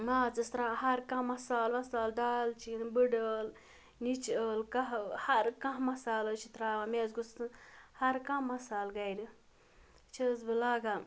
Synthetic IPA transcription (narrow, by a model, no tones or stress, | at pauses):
maːt͡sɨst̪ɾahɐɾkãmɐsaːlʋɐsaːlɖaːlt͡ʃʰinbɨɖəl | nit͡ʃəlkɐɦhɐɾkãɦmɐsaːlət͡ʃʰit̪ɾaːamezɡust̪ɨhɐɾkãmɐsaːlɡɐjɾi | t͡ʃʰəzbɨlaːɡa